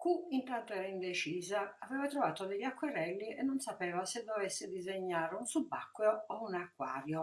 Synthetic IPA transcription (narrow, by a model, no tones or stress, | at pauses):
kuint̪ant̪oɛːɾaind̪et͡ʃiːzaːvɛːvat̪ɾɔvaːt̪od̪ɛʎːakːwɛɾɛlːiɛnːonsapɛːvasɪd̪ːoɔvɛsːɪd̪izeɲːaːɾɪunsubːakːwoounakːwa̰ːɾjo